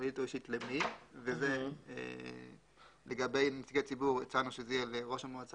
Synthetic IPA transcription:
lit̪oiʃitlemivezeḛ | leɡabe̞jnisɡeat͡sibuʁet͡sanuʃezejeleʁo̞ʃamoat͡sa

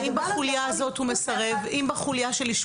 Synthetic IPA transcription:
imbaχuljaazo̞t̪humesaʁevimbaχuljaʃe̞liʃ

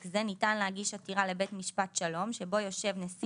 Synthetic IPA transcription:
kzenitanleɦaɡiʃatiʁale̞be̞tmiʃpat̪ʃalo̞mʃebo̞jo̞ʃe̞vnes

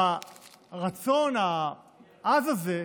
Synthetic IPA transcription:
aʁat͡so̞na | azaze

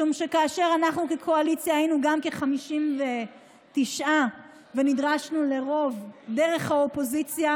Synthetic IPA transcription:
umʃe̞kaːʃe̞ʁanaχnukekʰoalit͡sjahajinuɡamkeχamiʃimve̞ | t̪iʃʔa | venid̪ʁaʃnule̞ʁo̞vd̪eʁe̞χhaopo̞zit͡sja

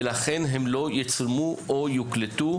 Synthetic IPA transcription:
laχenɦemlo̞jit͡slmuʔojuklet̪u

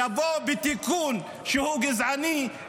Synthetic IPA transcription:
abɔbit̪ikun | ʃuhuɡizani

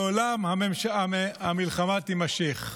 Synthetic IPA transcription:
olamhamemʃaamilχamat̪imaʃiχ

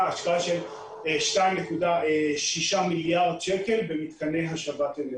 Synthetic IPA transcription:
aʃkalʃel | ʃk̪anekud̪aʃiʃamiljaʁd̪ʃekelbemit̪kʰanːejɦaʃʁavaːt̪ene

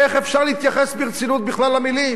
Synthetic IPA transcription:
eχefʃaʁlehit̪jaχesbiʁt͡sinut̪̚biχlalamilim

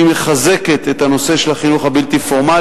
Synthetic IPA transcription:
imeχaze̞ket̪et̪ano̞se̞ʃelaχinuχabilt̪ifo̞ʁma

